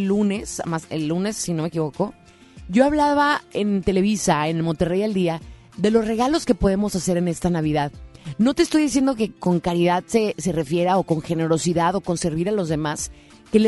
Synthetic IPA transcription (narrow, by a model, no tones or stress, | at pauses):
lːunesa̰masḛlːune̞sːino̞mek̬iβo̞ko̞ | ɟ͡ʝo̞aβlaβaent̪ele̞βisaenelmo̞nt̪erejald̪ia | ðe̞lo̞zre̞ɣalo̞ske̞po̞ð̞e̞mo̞sase̞ɾe̞ne̞st̪anaβ̞iðaðno̞t̪eːst̪o̞jðis̬je̞nd̪o̞ke̞ko̞ŋkaɾiðaðse̞se̞re̞fje̞ɾao̞ko̞ŋxe̞ne̞ɾo̞siðaðo̞ko̞nse̞ɾβiɾalo̞zðe̞mas | ke̞le